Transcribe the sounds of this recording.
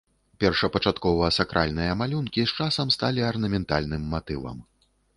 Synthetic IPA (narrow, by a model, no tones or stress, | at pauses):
pʲɛrʂɐpɐt͡ʂat̪kɔvɐsakɾʔalʲnɨjɐmalʲunkʲist͡ʂasɐmst̪alʲiɐrnɐmʲɛnt̪alʲnɨmːat̪ɨvɐ̰m